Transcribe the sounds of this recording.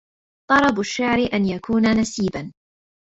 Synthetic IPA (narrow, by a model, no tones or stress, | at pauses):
t̪ˤɑɾˤɑbʊʃːaʕɾɪʔanjakʰuːnanasiːban